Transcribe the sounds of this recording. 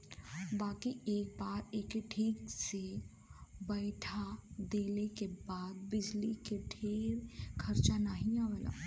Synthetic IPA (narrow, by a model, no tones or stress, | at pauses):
baːkieːk̚baːɾeːkʈʰiːkse | bəɪʈʰad̪eːlekebaːd̪̚bɪd͡ʒlikeʈʰeːɾkʰɐɾt͡ʃanaɦĩaːʋəla̰ː